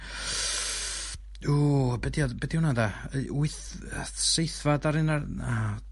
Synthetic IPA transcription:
uːbɛdiɔdbɛdiunadauɨθ | sejθvadaɾɪnaa

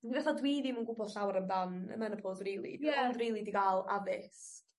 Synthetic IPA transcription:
d̥ibɛθɔdwiːðimunɡʊbɔld̥ɬawɾəmdanə̰mɛnəpʰodriːlˠḭndriːlˠidiɡaːlˠavɪs

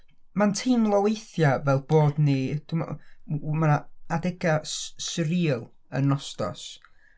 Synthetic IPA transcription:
mantʰiːmlˠɔwejθjavɛlˠb̥oːdnid̥um̰ | maaadɛɡassɾiːlˠ | ə̰nɔstɔ̰s

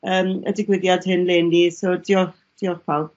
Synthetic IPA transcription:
əːmə̰dɪɡwɪðjad̥hɪnleːnːisɔdiɔχ | d̥iɔχpʰalˠb̚

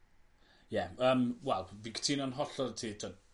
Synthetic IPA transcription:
jɛəːmwɛlˠvikʰə̥tʰiːnɔnɦɔɬɔrtʰiːtʰən

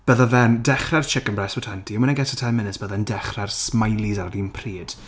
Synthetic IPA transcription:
b̥əðaðɛndɛχrɛrt͡ʃʰɪkənbrɛsɔtʰantʰiəmənɛɡɛtʰə̥tʰɛnmɪnɪsb̥əðɛndɛχrɛrsmajlˠizarðiːnpʰriːd̥

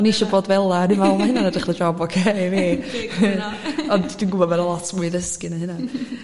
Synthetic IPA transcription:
ɔniʃɔboːdvɛlˠanɪnvɛlˠmaɦɪnanadəχlˠəd͡ʒɔbɔkʰeveː | ɔnd̥unɡʊbɔvɛnəlˠɔtʰmuɨðəskɪnahɪnan

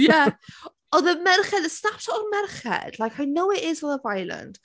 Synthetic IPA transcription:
ja | ɔðəmɛrχɛdəsnap̚tʰəənmɛrχɛ̰d̥lˠajkhajnowɪʔɪzənəvajlˠə̰̃nd̥

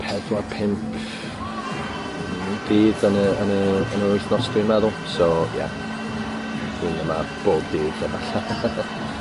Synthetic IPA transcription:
pʰɛðwapʰɪmpʰ | d̥iːdənəənəənʊjθnɔstrimɛðʊlˠsoja̰ | inəmab̥oːd̚diːdəvaɬa

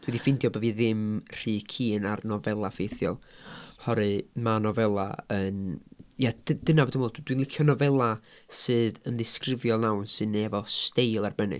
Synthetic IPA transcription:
d̥wɛdifɪndjɔbɛvɨðɪmr̥ɨːkʰiːnarnɔvɛlˠafejθjɔ̰lˠhɔɾɨmanɔvɛlˠa̰ənjad̥əd̥ənavɛdɪmwɔlˠdd̥winlˠɪkʰjɔnɔvɛlˠasɨːðənðɪskrɪvjɔlˠnawnsɨnɛvɔstejlˠarbənɨ̰

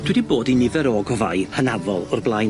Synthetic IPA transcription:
d̥wɛdiboːdinɪvɛɾɔɡɔva̰jhənavɔlˠʊrblˠaj

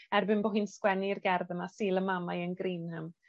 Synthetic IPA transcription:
ɛrbɪnboːɦinskwɛnirɡɛrðənasiːlˠəmamajənɡriːnhəm

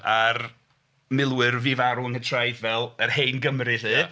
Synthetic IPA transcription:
ar | mɪlˠwɨrvivaɾuənhətʰrajðvɛlˠərhejnɡəmrɨðɨː

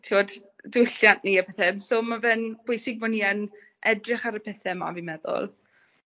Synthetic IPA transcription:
tʰiwɔddʊɬjanʔniːəpɛθɛmsoːmavɛnb̥ʊjsɪɡ̚mɔniən | ʔɛdrɪχaɾəpʰɛθɛma̰vɪmɛðɔ̰lˠ

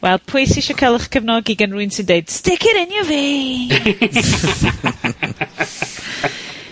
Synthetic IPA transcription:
wʔɛlˠpʰʊjsiʃɔkʰɛlˠəχkʰəvnɔɡiɡənruɨnsɪndeɨd̥stɪkʰɪɾɪnjɔvi

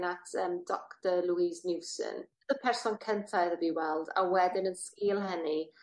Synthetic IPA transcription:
natʰəːmdɔktəlˠuiznɪwsə̰n | ðəpʰɛrsɔnkʰəntʰaɨðəviːwɛlˠda̰wɛdɪnənskɪːlˠɦəni

